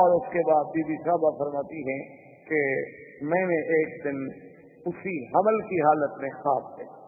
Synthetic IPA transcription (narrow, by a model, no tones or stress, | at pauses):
ɔːɾʊskebaːd̪̚biːbisaːbafɐɾmaːt̪iɦɛ̃ | kemɛ̃ːneʔeːkd̪ɪn | ʊsiɦɐməlkiɦaːlət̪mẽxaːbd̪eː